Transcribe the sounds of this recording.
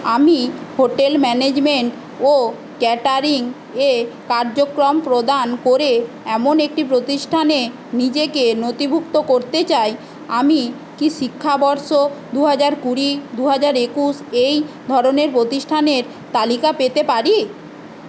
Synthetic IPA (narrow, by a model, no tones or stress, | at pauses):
amihoʈelmɛned͡ʑmeɳʈ | o | kɛʈaɾiŋ | ekaɾd͡ʑokɾompɾod̪ankoɾe | ɛmonek̚ʈipɾot̪iʃʈʰane | nid͡ʑekenot̪ibʱukt̪okoɾt̪et͡ɕaj | ami | kiʃikʰːabɔɾʃod̪uɦad͡ʑaɾkuɾid̪uɦad͡ʑaɾekuʃejd̪ʱɔɾoneɾpɾot̪iʃʈʰaneɾ | t̪alikapet̪epaɾi